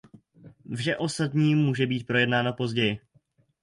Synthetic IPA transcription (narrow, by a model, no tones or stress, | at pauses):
vʒɛʔo̞st̪at̪ɲiːmuːʒɛbiːt̪̚pɾo̞jɛdnaːnopo̞zɟɛjɪ